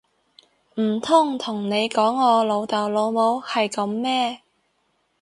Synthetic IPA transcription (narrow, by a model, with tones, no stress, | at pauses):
m̩ː˨˩t̪ʰʊ˥˩ŋt̪ʰʊ˨˩ŋne˨˧jkɔː˨˥ŋːɔː˨˧lo˨˧wt̪ɐ˨wlo˨˧wmo˨˧whɐ˨jkɐ˨˧mːɛː˥